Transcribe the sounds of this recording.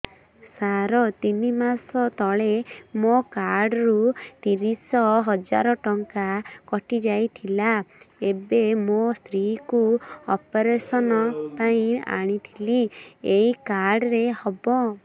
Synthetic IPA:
saɾɔt̪inimasɔt̪ɔɭemokaɾɖɔɾut̪iɾisɔɦɔd͡ʒa̰ɾɔʈɔŋkakɔʈid͡ʒajt̪ʰilaebemost̪ɾikuɔpɔɾesɔnɔpaĩa̰ɽ̃it̪ʰilieikaɾɖɔɾehɔbɔ

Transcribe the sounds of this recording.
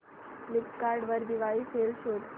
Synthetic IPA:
likkaɾɖʋəɾd̪iʋaifelʃuʈ

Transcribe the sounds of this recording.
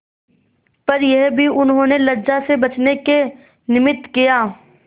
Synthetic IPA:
pɐɾjɛɦbʱiʊnɦõnelɐd͡ʒasebɐt͡ʃneke | nɪmɪt̪kijaː

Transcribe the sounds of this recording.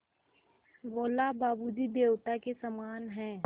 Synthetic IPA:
ʋoːlabaːbud͡ʒid̪eːwt̪akesəmaːnɦɛ̃ː

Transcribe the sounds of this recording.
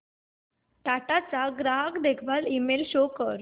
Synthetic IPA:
ʈaʈat͡saɡɾaɦəkd̪ekʰʋalimelɕokəɾ

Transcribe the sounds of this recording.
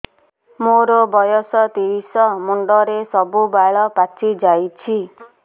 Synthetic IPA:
moɾobɔjɔsɔt̪iɾisɔmuɳɖɔɾesɔbubaɭɔpat͡ʃʰid͡ʒajt͡ʃʰi

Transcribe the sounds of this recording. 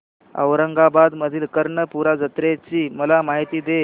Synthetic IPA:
ə̰ʋɾəŋɡabad̪məd̪ʱiːlkəɾɳəpuɾad͡zət̪ɾet͡ɕiːməlamaɦit̪iːd̪e

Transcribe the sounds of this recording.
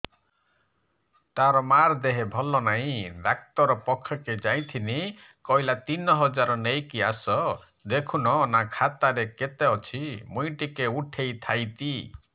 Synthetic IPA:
t̪aɾɔmaɾd̪eɦebʱɔlɔnaɦĩd̪ak̚t̪ɔɾɔpɔkʰːɔked͡ʒaj̃t̪ʰini | kɔɦilat̪inɔɦɔd͡ʒaɾɔnejkiasɔ | d̪ekʰunɔnakʰat̪aɾeket̪eɔt͡ʃʰimujʈikeuʈʰejt̪ʰajt̪i

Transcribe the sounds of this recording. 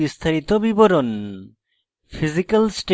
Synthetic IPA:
ist̪ʰaɾit̪obiboɾon | fʰizikalsʈ

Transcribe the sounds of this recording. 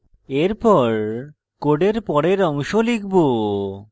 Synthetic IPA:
eɾpɔɾ | koɖeɾpɔɽeɾɔŋʃolik̚ʰbo

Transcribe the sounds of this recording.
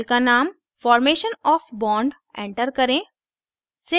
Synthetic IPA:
kanaːm | fɔːɾmeːʃənɔːfbɔːɳɖ | ḛ̃ːɳʈəɾkɐɾẽ | se

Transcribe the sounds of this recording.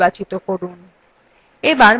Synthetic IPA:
bat͡ɕit̪okoɾun | ebaɾ

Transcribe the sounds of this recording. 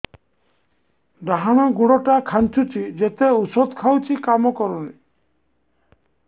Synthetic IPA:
ɖaɦanɔɡuɽɔʈakʰant͡ʃʰut͡ʃʰid͡ʒet̪eusɔd̪kʰawt͡ʃʰikamɔkɔɾɔni

